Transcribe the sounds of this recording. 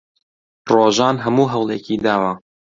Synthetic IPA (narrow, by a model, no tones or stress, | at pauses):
roːʒɑːnɦɐmuːɦɐwlˠḛːkiːd̪aːwa